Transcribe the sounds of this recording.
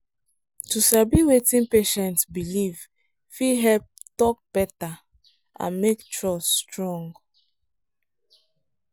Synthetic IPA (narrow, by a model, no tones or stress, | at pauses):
tusabiwetĩnpeʃɛ̃ntsbiliv | fiɦɛlp̚tɔk̚b̥ɛta | ʔã̰nmektɹɔsstɹɔ̃ŋɡ